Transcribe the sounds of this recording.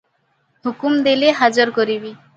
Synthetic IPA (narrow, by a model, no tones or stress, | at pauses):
ɦukumd̪eleɦad͡ʒɔɾkoɾibi